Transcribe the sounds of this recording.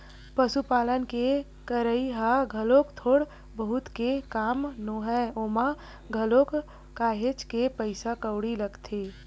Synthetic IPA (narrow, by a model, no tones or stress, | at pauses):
pəsupaːlənke | kəɾəiɦaɡʱəlokt̪ʰoːɽ | bəɦut̪kekaːmnoɦɛoma | ɡʱəlokː | aːɦet͡ʃkepəɪsakəʊɽiləɡt̪ʰe